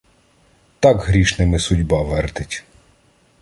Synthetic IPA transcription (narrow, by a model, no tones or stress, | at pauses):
t̪ɑkɦɾʲiʃnɪmɪsʊdʲbɑʋɛrt̪ɪtʲ